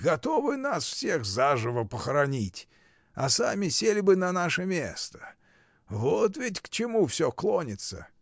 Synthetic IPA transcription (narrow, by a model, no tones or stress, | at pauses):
ɡɐt̪o̞vɨnasfsʲexzaʐɨvəpəxəɾɐnʲitʲ | ɐsamʲɪsʲelʲɪbɨnɐnaʂəmʲest̪ə̥ | vot̪vʲɪtʲkt͡ɕɪmufsʲoklˠonʲɪt̪sə̰